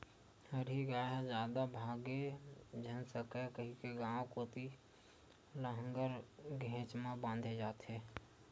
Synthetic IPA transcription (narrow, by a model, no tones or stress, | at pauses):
həɾɦiɡaːjad͡ʒjaːd̪abʱaːɡed͡ʒʱənsəkəkəɦĩkeɡãːokoːt̪i | ləɦə̃ŋɡəɾɡʱɛ̃ːt͡ʃmabãːnd̪ʱed͡ʒaːt̪ɦɛː